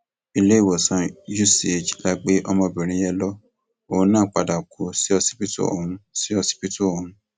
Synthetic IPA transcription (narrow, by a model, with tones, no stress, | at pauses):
i˧le˦i˦˨wɔ˨sã˧˦d͡ʒu˦si˦e˨d͡ʒla˨˧ɡ͡be˦ʔɔ˧mɔ̃˧˨bĩ˨ɾ̃ĩ˨˦jɛ˧lɔ˦ | õ˨˦nãː˦˨k͡pa˨da˨kʰo˨si˦ɔ˧si̥˦pi˦to̰˦o̰˨ũ˨˧˦si˦ɔ˧si̥˦pi˦to˦o˨ɦũ˧˦